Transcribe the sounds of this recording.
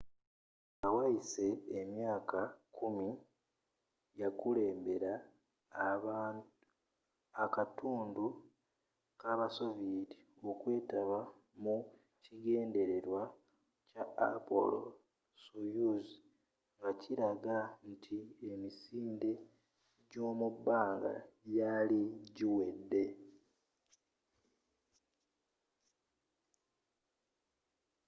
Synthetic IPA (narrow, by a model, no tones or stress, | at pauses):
awaise̞ːmjaːkakumi | jakule̞ːmbe̞ɾa | βa | akatuːndu | kaβaso̞viːti | o̞kwe̞ːtaβa | mu | ciɡe̞ːnde̞ɾe̞ɾwa | ca̰ːpo̰lo̰ | sojuzi | ŋɡaciɾaɡantʰiemisiːnde̞ | ɟo̞ːmubːaːŋɡa̰jaliɟiwe̞dːe̞